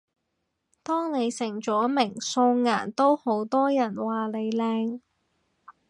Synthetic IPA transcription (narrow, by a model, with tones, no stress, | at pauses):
t̪ɔː˥ŋne˨˧jsɪ˨˩ŋt͡ʃɔː˨˥mɪ˨˩ŋso˧wŋaː˨˩nt̪o˥who˨˥wt̪ɔː˥jɐ˨˩nwaː˨˩le˨˧jlɛː˧ŋ